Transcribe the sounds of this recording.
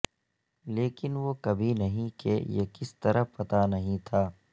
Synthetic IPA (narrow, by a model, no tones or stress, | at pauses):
leːkɪnʋokɐbʱinɐɦĩkḛjḛkɪst̪ɐɾʔəpɐt̪anɐɦĩt̪ʰaː